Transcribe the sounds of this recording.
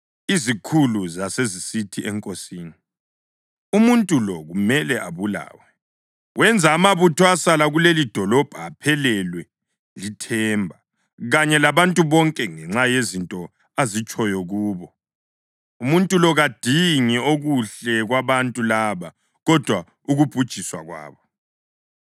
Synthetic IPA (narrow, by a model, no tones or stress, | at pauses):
izikʰuluzasezisitʰiʔɛŋkʼosiːni | umuntʼulɔɣumɛlɛʔa̰βula̰ːwɛ | wɛnd͡zʱaːmaβutʰɔasalaɣulelid̥ʱɔlɔb̥ʱaːpʰɛlɛlwɛ | litʰɛmbʱa | ɣaɲɛlaβantʼuβɔŋkʼɛŋɛŋ͡ǁajezintʼɔ | azit͡ʃʼɔjɔɣuːβɔ | umuntʼulɔɣad̥ʱiŋɛoɣuɬɛɣwaβantʼulaːβa | ɣɔd̥ʱwa | uɣub̥ʱud̥ʒ̥ʱiswa̰ɣwa̰ːβɔ